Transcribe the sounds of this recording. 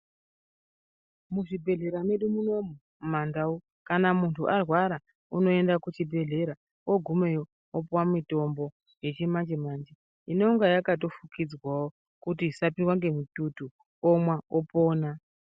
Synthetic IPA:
muʐibʱe̞ɮe̞ɾame̞ɗumuno̞mu | mandau | kanamuntʰuʔarwaɾa | uno̞e̞ndakut͡ʃibʱe̞ɮe̞ɾa | oɡʱumejo | opwamito̞mbo̞ | je̞t͡ʃemand͡ʒemaːnd͡ʒe | ineuŋɡajakat̬o̞fukid͡zwawo | kut̬isapinwaŋɡe̞mitutu | omwaopoːna

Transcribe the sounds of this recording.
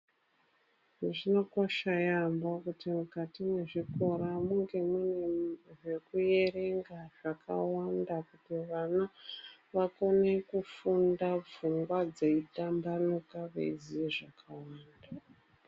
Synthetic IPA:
ʐinokoʃajambakutimukatime̞ʐiko̞ɾamuŋɡe̞muneʐe̞kuje̞re̞ŋɡaʐ̥akawandakutiʋanaʋako̞ne̞kufundab͡vuŋɡwad͡zeidambanukaʋḛizieʐakʰawaːnda

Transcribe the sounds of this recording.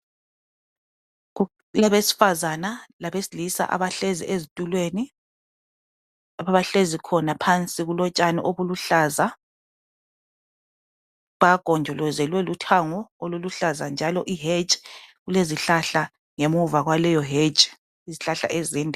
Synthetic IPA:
laβesi̥fazanalaβesilisa̰ʔa̰βaɬezḭʔezitʼulweːni | aβaɬezikʰɔnapʰant͡sʼiɣulɔt͡ʃʼanɛ̰ʔoβuluɬaːza | βaɡ̥ʱɔnd͡ʒʱɔlɔzɛlwɛlutʰaŋɔoluluɬazand͡ʒʱalɔʔiɦed͡ʒɣuleziɬaɬa | ŋemuvaɣwalɛjɔɦed͡ʒʼ | iziɬaɬa̰ʔɛzɛːndʱʼ

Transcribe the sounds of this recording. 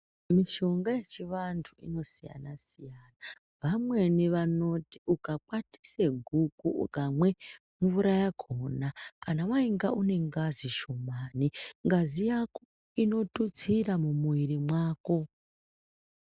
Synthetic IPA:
miʃo̞ŋɡaje̞t͡ʃiʋantʰuḭno̞sija̰nasijaːna | ʋamwe̞niʋano̞ti̥ukak͡pwati̥seɡʱukukamwe̞ | mvuɾajakʰonakanawaiŋɡaʔune̞ŋɡaziʃomaːniŋɡazijako | ino̞tut͡siramumuiɾimwaːko̞

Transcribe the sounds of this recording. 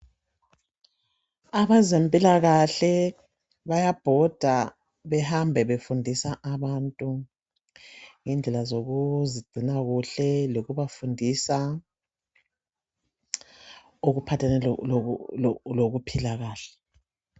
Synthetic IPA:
aβazempʼilaɣaɬɛ | βajab̥ʱɔd̥ʱa | βɛhambʱɛβefundʱisaʔaβantʼu | ŋɛnd͡ɮʱɛlazoɣuziɡ͡ǀʱinaɣuɬɛloɣuβafundʱisa | uɣupʰatʰanɛ | loɣupʰilaɣaːɬɛ̥

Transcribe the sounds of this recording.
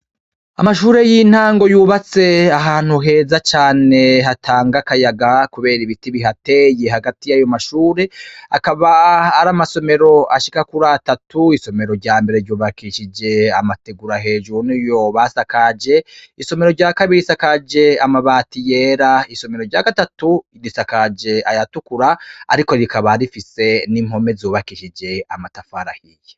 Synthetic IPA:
a̰maʃuːɾe̞jiːn̥haːŋɡo̞juːβat͡se̞aɦaːn̥huɦe̞ːzat͡ʃaːne̞ɦatʰaːŋɡakajaɡakuβe̞ːɾiβitiβiɦate̞je̞ɦaɡatijajo̞maʃuːɾe̞akaβaːɾamaso̞me̞ɾo̞ʔaʃikakuɾatatuiso̞me̞ɾo̞ɾɟaːmbe̞ɾeɾɟuːβakiʃid͡ʒe̞amateɡuɾaɦe̞ːʒunijo̞βasakad͡ʒe̞iso̞me̞ɾo̞ɾɟaːkaβiɾisakad͡ʒe̞amaβaːtije̞ːɾaiso̞me̞ɾo̞ɾɟaːɡatatu | ɾisakad͡ʒe̞ajatukuɾa̰ːɾiko̞ɾikaβaɾifise̞nim̥ho̞me̞zoːβakiʃid͡ʒe̞amatafaɾahije

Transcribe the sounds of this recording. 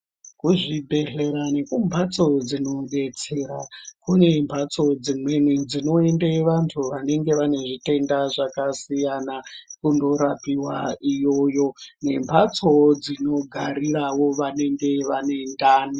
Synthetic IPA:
kuʐibʱe̞ɮe̞ɾane̞kumbʱat͡so̞d͡zino̞ɓe̞t͡se̞ɾakunembʰʱat͡so̞d͡zimwe̞nid͡zino̞e̞ndeʋantʰuʋane̞ŋɡe̞ʋane̞ʐite̞ndaʐakasijanakundo̞ɾapiwaijo̞jo̞ne̞mbʰʱat͡sod͡zino̞ɡʱaɾiɾawo̞ʋane̞ŋɡe̞ʋane̞ndaːni

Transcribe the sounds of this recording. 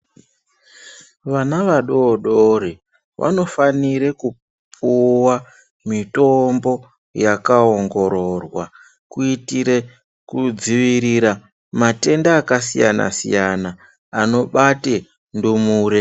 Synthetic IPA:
ʋanaʋaɗoːɗoɾi | ʋʔa̰no̞faniɾe̞ku | pʰuwa | mito̞mbo̞ | jakaoŋɡo̞ɾo̞rwa | kuitiɾe | kud͡ziʋiɾiɾa | mate̞ndaːkasija̰na̰sḭjanaː | no̞ɓate | ndumuːɾe

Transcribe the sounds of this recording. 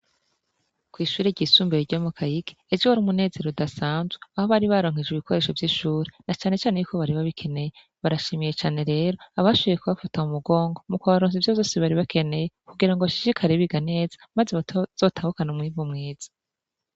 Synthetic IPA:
kwiːʃuːɾeɟisuːmbeɾiɾɟomukʰajike̥ːd͡ʒowaɾumune̞ːze̞ɾudasaːnzweaho̞βaɾiβaɾo̞ːŋ̥ed͡ʒiβikʰoɾe̞ʃo̞vjiʃuːɾenat͡ʃaːne̞t͡ʃaːnejuːkʰo̞βaɾiβaβikʰe̞ne̞je | βaɾaʃimije̞t͡ʃaːne̞ɾe̞ːɾoaβaʃoβijekuβafataumuɡo̞ːŋɡo̞mukaβaɾoːnzivjozo̞ːseβaɾiβakʰe̞ne̞je̞kuɡiɾaŋɡoβaʃi̥ʃikʰaɾeβiɡane̞ːzḁmazeβzoːtʰahukanumŋiːvumŋeːz̥ḁ

